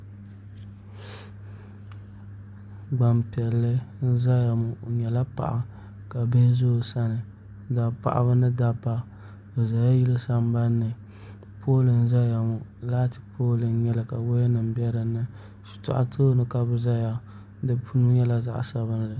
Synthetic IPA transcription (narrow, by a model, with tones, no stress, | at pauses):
ɡ͡ba˨mpɛ˨lːɨ˦n̩˦za˦ja˨mʊ˨ɲɛ˨la˦pa̰˨ʔa˨ | ka˨bɛ˦zo˦˨sa˦nɨ˨˦ | da˨pa̰˨ʔa̰˨βɨ˦nɨ˦da˦pːa˦ | bɨ˨za˨ja˦ji˦lɨ˦sa˦m˦ba˦nːɨ˨ | pʰoː˦lɨ˨n̩˦za˦ja˨mʊ˨laː˦tɨ˦pʰoː˦lɨ˨n˦ɲɛ˦lɨ˨ka˨bo˦ja˦nɨ˨m˦bɛ˦ɾɨ˨nɨ˦ | su̥˨ta̰˨ʔa̰˦tʰo˦nɨ˨ka˨bɨ˨za˦ja˦ | dɨ˦pʰu˦nu˦ɲɛ˦la˨za̰˦ʔsa˦βɨ˦n˦˨lɨ˨